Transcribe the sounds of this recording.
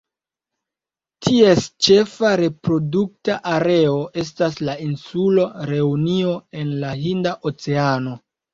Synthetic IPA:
tʰie̞st͡ʃe̞faɾe̞pɾo̞duk̚taʔaɾe̞o̞ʔe̞s̬taslainsulo̞ɾe̞unio̞e̞nlaɦindaʔot͡se̞ano̞

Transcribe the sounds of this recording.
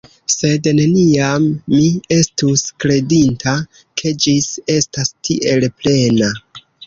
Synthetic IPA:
se̞dne̞niamːie̞stuskɾe̞dintʰa | kʰe̞d͡ʒise̞stastʰḭʔe̞lple̞na

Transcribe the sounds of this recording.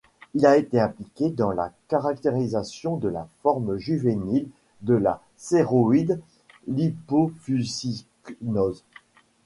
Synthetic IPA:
ilaet̪eɛ̃plikʲed̪ɑ̃la̰kaʁak̚t̪eʁizasjɔ̃d̪əla̰fɔʁmʒyvenil | d̪əla | seʁoid̪ | lipofyziknɔz

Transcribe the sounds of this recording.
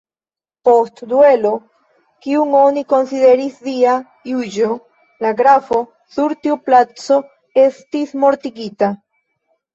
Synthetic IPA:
po̞stdue̞lo̞ | kiuŋo̞niko̞nside̞ɾisvia | jud͡ʒo | laɡɾafo̞ | suɾtiuplat͡so̞ | e̞stismo̞ɾtiɡita

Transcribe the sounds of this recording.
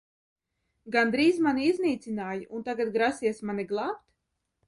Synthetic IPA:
ɡand̪ɾiːzmaniizniːt̪sinaːjiʔunt̪aɡat̪̚ɡɾasiɛsmaniɡlˠaːpt̪

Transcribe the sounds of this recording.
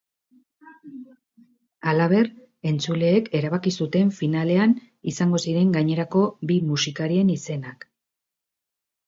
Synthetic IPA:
alaβ̞e̞r | e̞nt͡sule̞ːke̞ɾaβ̞akisut̪e̞ɱfinale̞an | isaŋɡo̞siɾe̞ŋɡaɲe̞ɾako̞bimusikaɾie̞nise̞nak

